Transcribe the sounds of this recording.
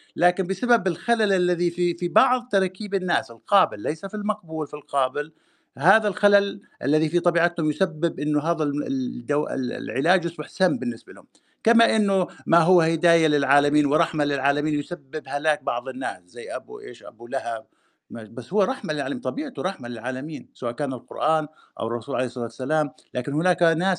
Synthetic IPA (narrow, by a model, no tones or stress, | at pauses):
laːkɪnbɪsababɪlxalalʔalːaðififibɑʕðˤt̪ɑɾˤkiːbɪnːaːsɪlqɑːbɪlːejsafilmɑqbuːlfilqɑːbɪl | haːðalxalalʔa̰lːaðifit̪ˤɑbiːʕat̪hʊmjʊsabːɪbʔɪnːʊɦaːðald̪awɪ̰l̰lʕɪ̰laːd͡ʒʔɑsˤbɑħsamːbɪnːɪsbalhʊ̰m | kamaʔɪnːʊmaɦʊwːahɪd̪aːjalɪlʕaːlamiːnwɪɾˤɑħmalɪlʕaːlamiːnjʊsabːɪbhalaːk̚bɑʕðˤɪnːaːszajːʔabṵʔḛːʃʔa̰bulahab̚ | mabasːhʊwːaɾˤɑħmalɪlʕaːlmiːnt̪ˤɑbiːʕt̪uɾˤɑħmalɪlʕaːlamiːnsawaːʔkaːnalqʊ̰ɾʔaːn | ʔa̰wɪrˤːɑsuːlʕaleːhɪsˤɑlɑːt̪salaːmlaːkɪnhʊnaːknaːs